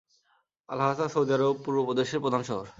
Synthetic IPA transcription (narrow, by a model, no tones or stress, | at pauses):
a̰lɦasaʃowd̪aɾopuɾbopod̪eʃeɾpɾod̪ʱanʃɔɦoɾ